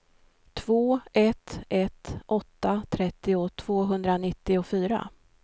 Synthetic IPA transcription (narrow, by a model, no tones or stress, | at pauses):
t̪ʰv̥oːɛt̪ɛt̪ʔɔt̪ːat̪ʰɾɛt̪ːɪʊt̪ʰv̥oːɦɵnd̪ɾanɪt̪ːɪʊfyːɾa̰